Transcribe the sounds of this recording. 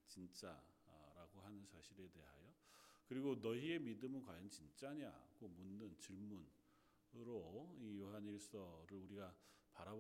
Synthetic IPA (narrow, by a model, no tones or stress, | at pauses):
t͡ɕint͡ɕ͈a | ɾaɡoɦanɯnsʰaɕʰiɾe̞de̞̰ɦa̰jokɯɾiɡonʌie̞midɯmɯnkwajʌnt͡ɕint͡ɕ͈aɲa̰ɡomunːɯnt͡ɕiɭmun | ɾoijoɦaniɭs͈ʌɾɯɾuɾiɡapaɾab